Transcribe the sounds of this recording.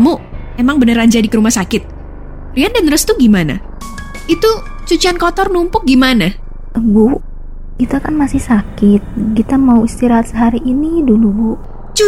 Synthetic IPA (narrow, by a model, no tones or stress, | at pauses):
muemaŋbənəɾand͡ʒadikəɾumahsakɪt̪̚ | riandanrəst̪uɡimana̰ | it̪u | t͡ʃut͡ʃiankɔt̪ɔrnumpʊk̚ɡimana | ʔəbu | ɡ̥it̪akanmasɪhsakɪt̪̚ɡit̪amauist̪iɾaɦat̪səɦaɾiʔːnidulubuʔ | t͡ʃu